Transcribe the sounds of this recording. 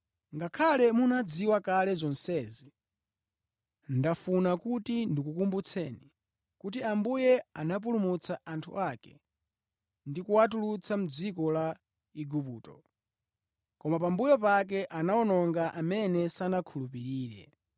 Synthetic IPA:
ŋɡakʰalɛmunad͡ziwakalɛzɔnsɛzi | ndafunakutindikukumbut͡sʰɛni | kutiambujɛanap̬ulumut͡sʰaʔantʰṵʔakɛ̰ | ndikuwat̬ulut͡sʰam̩d͡zikɔla | iɡupṵːtɔ̰ | kɔmapambujɔpak̬ɛʔanaɔnɔŋɡaʔamɛnɛsanakʰulupiɾiːɾɛ̰

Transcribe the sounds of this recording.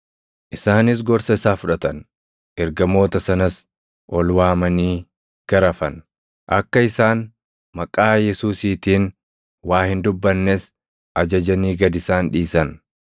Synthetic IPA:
ʔɪsaːnɪs̬ɡɔɾsɐsaːfʊᶑɐt̪ɐn | ʔɛɾɡɐmo̞ːt̪ɐsɐnɐs | ʔɔlwaːmɐniː | ɡ̥ɐɾɐfɐn | ʔɐkːɐɪsaːn | mɐkʼaːjɛsuːsiːt̪iːn | waːhɪnd̪ʊbːɐnːes | ʔɐd͡ʒɐd͡ʒɐniːɡɐd̪ɪsaːnᶑiːsɐn

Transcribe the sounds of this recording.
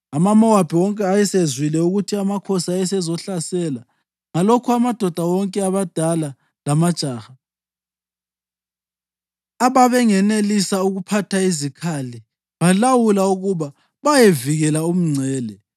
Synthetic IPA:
amamɔwab̥ʱiwɔŋkʼɛajɛsezwilɛuɣutʰiamakʰɔsaɛsɛzɔɬasɛla | ŋalokʰuamad̥ʱɔd̥ʱawɔŋkʼɛaβad̥ʱala | lamad̥t͡ʃʼaːxa | aβaβɛŋɛnelisauɣupʰatʰaizikʰali | βalawulauɣuβa | βajeviɣɛlaum̩ŋ͡ǀʱɛːlɛ

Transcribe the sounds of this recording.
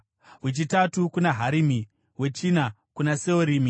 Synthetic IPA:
wet͡ʃitatukunaɦaɾimi | we̞t͡ʃina | kunaseoɾiːmi

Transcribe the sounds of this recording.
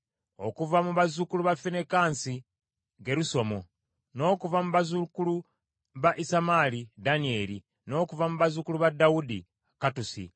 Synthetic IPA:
o̞̰kuvamuβazukuluβafenekaːnsi | ɡe̞ɾuso̞mo | no̞ːkuvamuβazukulu | βaʔisamaːlidanie̞ːɾḭ | no̞ːkuvamuβazukuluβadaudi | katusḭ

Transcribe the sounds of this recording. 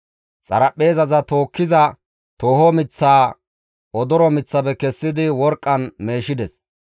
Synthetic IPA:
t͡sʼɐ̰ɾɐpʼːe̞ːzɐzɐt̪o̞ːkːɪzɐ | t̪o̞ːhɔmɪt͡sːaː | ɔd̪ɔɾɔmɪt͡sːɐbɛkɛsːɪd̪ɪwɔɾkʼːɐnme̞ːʃɪd̪ɛs

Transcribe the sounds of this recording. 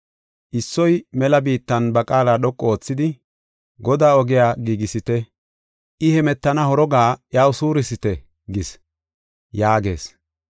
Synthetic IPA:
ʔɪsːɔjmɛlɐbiːt̪ːɐnbɐkʼaːlaːɗɔkʼːɔo̞ːt͡sːɪd̪ɪ | ɡɔd̪aːɔɡɪjaːɡiːɡɪsɪt̪ɛ | ʔɪhɛmɛt̪ːɐnɐhɔɾɔɡaːjaːwsuːɾɪsɪt̪ɛ | ɡɪs | jaːɡe̞̰ːs

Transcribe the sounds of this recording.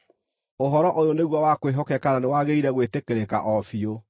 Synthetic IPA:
oɦɔɾɔʔojoneɣwawakweɦɔkɛkananewaɣeiɾɛɣwetekeɾeka̰ʔɔfio

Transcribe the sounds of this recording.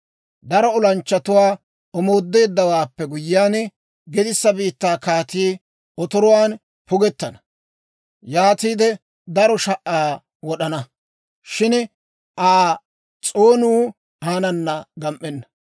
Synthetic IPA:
d̪ɐɾɔɔlɐnt͡ʃːɐt̪ʊwaː | ɔmo̞ːd̪ːe̞ːd̪ːɐwaːpːɛɡʊjɪːaːn | ɡɛd̪ɪsːɐbiːt̪ːaːkaːt̪iː | ɔt̪ɔɾɔwaːn | pʊɡɛt̪ːɐnɐ̥ | jaːt̪iːd̪ɛ | d̪ɐɾɔʃɐʔːaː | wɔɗɐnɐ | ʃɪn | ʔaː | t͡sʼoːnuː | haːnɐnːɐɡɐmʔɛnːɐ

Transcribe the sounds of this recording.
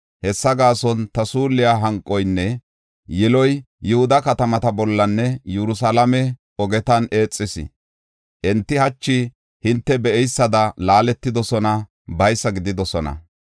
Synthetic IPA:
hɛsːɐɡaːsɔnt̪ɐsuːlːɪjaːɦɐŋkʼːɔjnːɛ | jɛlɔj | jɛhʊd̪ɐkɐt̪ɐmɐt̪ɐbɔlːɐnːɛjɛɾʊs̬alɐmɛ | ɔɡɛt̪ɐne̞ːt͡sʼːɪsɪ̰ | ʔɛnt̪ːɪhɐt͡ʃːɪ | hɪnt̪ːɛbɛʔɛjsːɐd̪ɐlaːlɛt̪ːɪd̪ɔsɔnɐ | bɐjsːɐɡɪd̪ɪd̪ɔsɔnɐ̰

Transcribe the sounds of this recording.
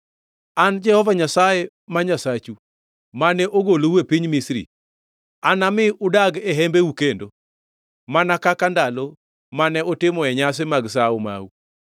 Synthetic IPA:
and͡ʒɛhɔvaɲasaje | maɲasat͡ʃu | manɛʔoɡolowepiɲmisɾḭ | anamɪʊdaɡɛɦɛmbeukendo | manakakandalɔ | manɛʔotɪmɔɛɲas̬emaɡsaoma̰u

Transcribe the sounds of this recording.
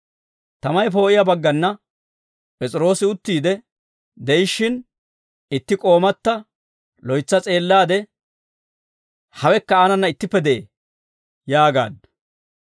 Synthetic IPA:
t̪ɐmɐjpo̞ːʔɪjɐbɐɡːɐnːɐ | pʼɛt͡sʼɪɾo̞ːsɪʊt̪ːiːd̪ɛ | d̪ɛjɪʃːɪn | ɪt̪ːɪkʼo̞ːmɐt̪ːɐ | lɔjt͡sːɐt͡sʼe̞ːlːaːd̪ɛ | hɐwɛkːɐaːnɐnːɐɪt̪ːɪpːɛd̪ɛḛː | jaːɡa̰ːd̪

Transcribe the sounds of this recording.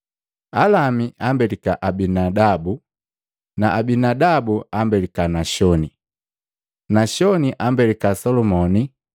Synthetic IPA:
alamiʔambɛlikaʔabinadabu | naʔabinadabuambɛlikanaʃɔni | naʃɔniʔambɛlikasɔlɔmɔni

